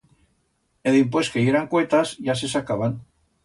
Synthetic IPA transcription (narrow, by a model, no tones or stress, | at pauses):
eðimpweskejeɾaŋkwet̪azʝasesakaβan